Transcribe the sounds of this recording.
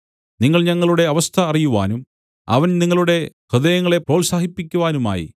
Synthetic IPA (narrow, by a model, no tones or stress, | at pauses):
niŋːɐɭɲɐŋːɐɭuɽe̞ɐʋɐst̪ʰɐːrijuʋa̰ːnum | ɐ̰ʋɐnniŋːɐɭuɽe̞hɨd̪ɐjɐŋːɐɭe̞proːlsaːɦipːikʲːuʋaːnuma̰ːjḭ